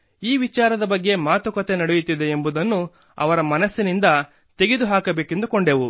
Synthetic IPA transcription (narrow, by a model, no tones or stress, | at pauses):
iːʋit͡ʃaːɾɐd̪ɐbɐɡːe̞maːt̪ukɐt̪enɐɽejut̪ːid̪e̞ːmbud̪ɐnːu | ɐ̰ʋɐɾɐmɐnɐsːinind̪ɐ | t̪e̞ɡed̪uɦaːkɐbeːkend̪ukoɳɖeʋu